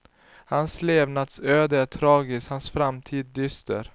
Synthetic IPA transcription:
hansleːvnat̪søːd̪əæt̪ʰɾɑːɡɪshansfɾamt̪ʰiːd̪̚ːʏst̪ə̰ɾ

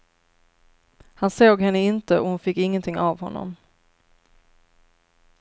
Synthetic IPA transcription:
hansoːɡɦɛnːəɪnt̪əɔhʊnfɪkːɪŋːənt̪ʰɪŋːavɦɔnːɔ̰m

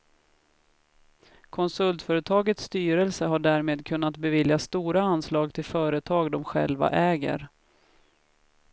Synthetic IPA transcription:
kʰɔnsɵlt̪fœːɾət̪ʰɑːɡət̪sːt̪yːɾəlsəɦaɖæːɾmeːd̪kʰɵn̪ːat̪bɛvɪljast̪uːɾaanːslɑːɡt̪ʰɪlfœːɾət̪ʰɑːɡd̪ɔmɧɛ̰lva̰ʔɛːɡə̰ɾ

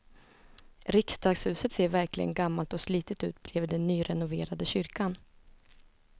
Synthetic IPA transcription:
ɾɪkst̪ɑːɡshʉ̟ːsət̪seːɾvæɾklɪ̰ɡə̰nɡamːalt̪ɔsliːt̪ət̪ʉ̰ːt̪̚blɛːvəɖɛnːyːɾɛnʊveːɾad̪əɕʏɾkan

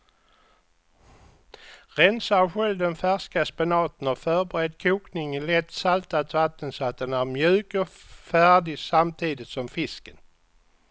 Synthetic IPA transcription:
ʁɛnsaɧɛld̪ɛnfæʂkaspɛnɑːt̪ənɔfœːɾbɛɾɛd̪kʰuːknɪŋɪlɛt̪ːsalt̪at̪vat̪ːənsɔat̪̚d̪ɛnæɾmjʉ̟ːkɔ | fæːɖɪsamt̪ʰiːd̪ɪt̪sɔmfɪskən

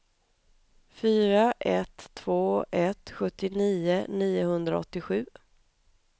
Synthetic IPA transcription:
fyːɾaʔɛt̪ʰːvoːɛt̪ɧɵt̪ːɪniːəniːʊhɵnd̪ɾa̰ɔ̰t̪ːɪɧʉ̟ː

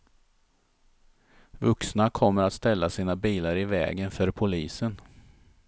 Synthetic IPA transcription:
vɵksnakʰɔmːəɾat̪st̪ɛlːasiːnabiːlaɾɪvɛ̰ːɡənfœɾpʰʊliːsən

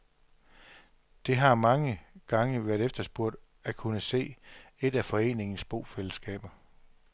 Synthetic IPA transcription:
d̥e̝ɦɑ̈mɑ̈ŋəɡ̥ɑ̈ŋəʋæɐɾ̥efd̥ɐsb̥uɐ̰d̥ | ækʰunəse̝̰ːe̝d̥æfɒ̽e̝̰ːne̝ŋn̩sb̥o̝̰ːfeləsɡ̥ɛ̰ːb̥ɐ

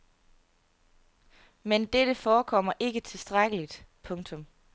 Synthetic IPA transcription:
mend̥eɾ̥əfɒːkʰɒ̽m̰ɐʔe̝ɡ̥ət͡sʰe̝sd̥ʁaɡ̥əlid̥pʰɔ̽ŋt͡sʰɔ̽m

